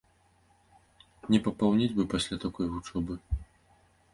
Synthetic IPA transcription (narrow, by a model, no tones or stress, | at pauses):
nʲɛpɐpawnʲilʲbɨpasʲlʲat̪akɔjɣut͡ʂɔbɨ